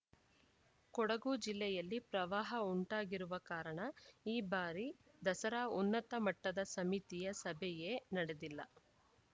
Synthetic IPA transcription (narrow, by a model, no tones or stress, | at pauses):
kɔɽɐɡuːd͡ʒilːɛjɐlːipɾɐʋaːɦɐuɳʈaːɡiɾuʋɐkaːɾɐɳɐiːbaːɾi | d̪ɐsɐɾaːunːɐt̪ɐmɐʈːɐd̪ɐsɐmit̪ijɐsɐbʱɛjeːnɐɽed̪ilːɐ